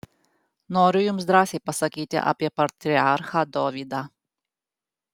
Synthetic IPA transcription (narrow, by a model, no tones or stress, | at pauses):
noːɾʲʊjumzd̪ɾɑːsʲɛjpɐsɐkʲiːt̪ʲɪ̰ʔɐ̰pʲiɛpɐɾt̪ʲɾʲiaɾxɐd̪ɔːʋʲiːd̪ɑ